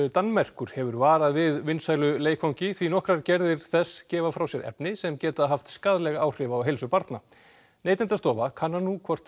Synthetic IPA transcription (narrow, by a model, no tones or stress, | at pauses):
t̪anːmɛr̥kʏɾ̥hɛvʏɾvaːɾaðvɪðvɪnsaːjlʏleːjkʰfɔwɲcɪθvinɔhkɾaɾcɛɾðɪɾ̥θɛsːcɛːvafɾawsjɛɾʔɛ̰pnɪsɛmcɛːt̪aɦaft̪skaːðlɛɣaaːwr̥ɪvaːwɦejlsʏpaɾt̪na | neːjt̪ɪnt̪ast̪ɔːvakʰanːanukʰvɔr̥t̪